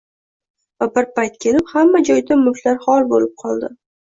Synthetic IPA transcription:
vabɪɾpajt̪̚kʲʰe̞lɪphamːad͡ʒɒjd̪amʊlaɾhɒlˠbolɪp̚qʰɒlˠd̪ɪ

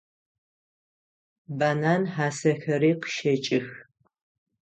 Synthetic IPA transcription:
banaːnħaːsɐxɐɾiːqʃɐt͡ʃʼɪx

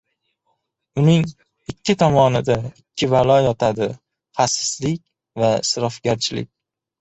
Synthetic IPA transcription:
ʊnɪŋ | ɪkʲʰːɪt̪ʰɒmɒnɪd̪aɪkʲʰːɪvalˠɒjɒt̪ʰad̪ɪ | χasɪ̥slɪk̚ʲ | vasɾɒfɡʲaɾt͡ʃʰɪlɪ̰k̚ʲ

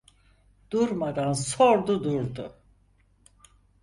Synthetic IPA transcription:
d̪̥uɾmad̪ansoɾd̪ud̪uɾd̪ʊ̰

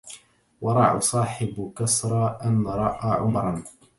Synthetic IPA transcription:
wɑɾˤɑʕa̰sˤɑːħɪbkasɾˤɑːʔanːɾˤɑʔaːʕʊmɾˤɑn

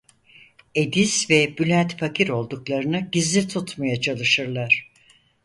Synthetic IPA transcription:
e̞d̪iz̥vɛbylʲænt̪pʰakʰiɾo̞lˠd̪uklˠaɾɯnɯɟizlʲit̪ʰut̪majat͡ʃʰalˠɯʃɯɾlˠaɾ̥

